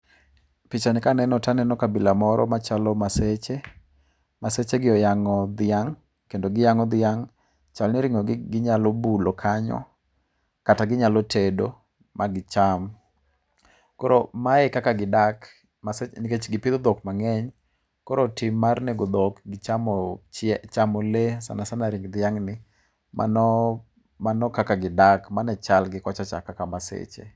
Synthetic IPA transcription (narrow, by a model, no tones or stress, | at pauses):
pɪt͡ʃanɪkanɛnɔtanɛnɔkabɪlamɔɾɔ̰mat͡ʃalɔmaset͡ʃe | maset͡ʃeɡɪɔjaŋɔd̪ɪaŋ | kendoɡɪjaŋɔd̪ɪaŋ | t͡ʃalnɛɾɪŋɔɡɡɪɲalɔbuloɔkʰaɲɔ̰ | kataɡɪɲalɔtʰedo | mʔaɡɪt͡ʃam | kɔɾomaɛkakaɡɪdak | masenɪket͡ʃɡɪpɪd̪ɔd̪ɔkmaŋɛɲ | kɔɾotɪmːarnɛɡɔd̪ɔkɡt͡ʃamɔɛt͡ʃamɔlesa̰nasanaɾiŋɡd̪ɪaŋnɪ | mʔa̰nɔ | manɔkakaɡɪdakmanɛt͡ʃalɡɪkɔt͡ʃat͡ʃa̰kakamasḛt͡ʃḛ